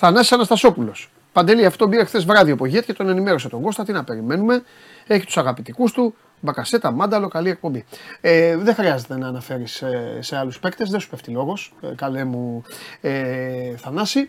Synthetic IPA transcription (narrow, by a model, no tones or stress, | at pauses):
θɐnɐsi̥sɐnɐst̪ɐso̞pulo̞s | pɐnd̪e̞liɐfo̥t̪o̞biɾexθe̞zvɾɐðiopo̞ʝet̪cet̪o̞ne̞nimeɾo̞set̪o̞ŋɡo̞st̪ɐt̪inɐpe̞ɾime̞nume̞ | eçi̥t̪u̥sɐɣɐpit̪ikust̪u | bɐkɐse̞t̪ɐmɐnd̪ɐlo̞kɐlie̞k̚pombieðexɾiɐze̞t̪e̞nɐːnɐfe̞ɾisːe̞aluspe̞kt̪e̞zðesu̥pe̞ft̪ilo̞ɣo̞skɐlemueθɐnɐsi